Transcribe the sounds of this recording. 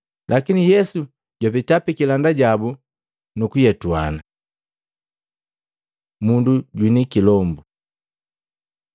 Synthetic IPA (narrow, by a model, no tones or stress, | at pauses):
lʔakinijɛsu | ɟwapitapikilandaɟabu | nukujɛtuana | munduɟwinikilɔmbu